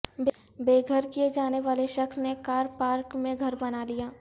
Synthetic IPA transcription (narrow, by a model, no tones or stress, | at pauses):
b | beːɡʱəɾkijed͡ʒaːneʋaːleʃɐxsnekaːɾpaːɾkmẽɡʱɐɾbɐnalijaː